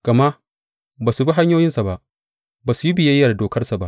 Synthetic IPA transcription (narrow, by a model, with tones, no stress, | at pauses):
ɡ̥ɐ˨ma˦ | baː˨su˨bi˦ɦa˦ɲjoː˦jɪ˦nsa˨ba˦ʔ | baː˨su˨ji˦bɪ˨je˦jːɐ˨doː˨kɐ˦rsa˨ba˦ʔ